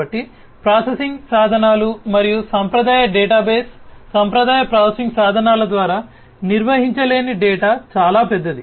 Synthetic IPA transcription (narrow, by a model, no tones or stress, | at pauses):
ɐʈːi | pɾaːsesiŋɡsaːd̪ʱɐnaːlumɐɾijusɐmpɾɐd̪aːjɐɖɛːʈaːbeːsːɐmpɾɐd̪aːjɐpɾaːsɐsiŋɡsaːd̪ʱɐnaːlɐd̪ʋaːɾaː | niɾʋɐɦiɲt͡ʃɐle̞ːniɖɛːʈaːt͡ʃaːlaːpɛd̪ːɐd̪i